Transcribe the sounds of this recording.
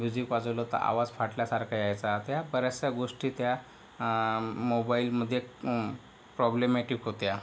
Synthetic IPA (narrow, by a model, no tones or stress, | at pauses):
mjud͡ʑikʋad͡zəʋlot̪ə̰ɾʔa̰ʋad͡zfaʈljasaɾkʰajajt͡sat̪jabəɾasjaɡoʂʈiːt̪ja | mobailməd̪ʱːje | pɾɔblemeʈikɦot̪ja